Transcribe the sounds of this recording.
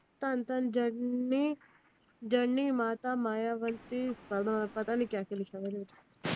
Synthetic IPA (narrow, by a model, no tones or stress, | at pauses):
t̪ant̪ənd͡ʒəi | d͡ʒəɳːimaːt̪amaːjaʋənt̪ipəapət̪anikjakelikʰaʋənit̪ḁ